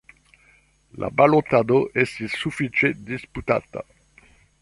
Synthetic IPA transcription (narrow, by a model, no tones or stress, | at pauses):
lʔa̰balot̪ːad̪oʔɛsisufit͡ʃed̪isput̪a̰ːt̪a̰